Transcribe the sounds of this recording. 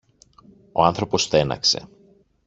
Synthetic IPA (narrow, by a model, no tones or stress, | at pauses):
o̞̰ɐnθɾo̞po̞sθe̞nɐ̰kse̞̰